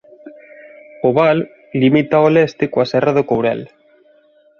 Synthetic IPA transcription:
oβalː | imit̪aolest̪ekoaseraðokowɾḛl

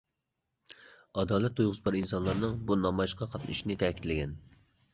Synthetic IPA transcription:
ɑd̪ɑːlɛt̪ːujʁʊzbɑɾinsɑnlˠɑɾnɨŋbunɑmɑjiʃqʰɑqʰɑt̪nɨ̰ʃinɪt̪ʰɛkʲʰit̪lɪɡʲɛn

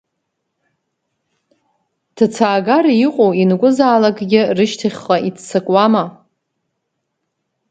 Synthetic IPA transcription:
tʰɨt͡sʰaːɡaɾiqʼowinɡʷʼʊzaːlakʼɡʲɪrɨʃtʰiχʲχaitʰsɨkʼwama

